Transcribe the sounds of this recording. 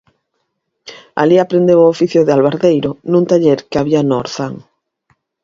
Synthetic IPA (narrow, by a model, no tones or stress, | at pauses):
a̰liapɾend̪eoofiθjoðɪalβaɾðejɾonũnt̪aʎeɾkeaβianoɾθaŋ